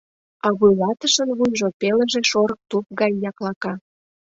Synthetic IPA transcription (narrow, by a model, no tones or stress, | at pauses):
ɑβujlɑt̪əʃənβujʒopeləʒeʃoɾə̆k̚t̪up̚ɡɑjːɑklɑkɑ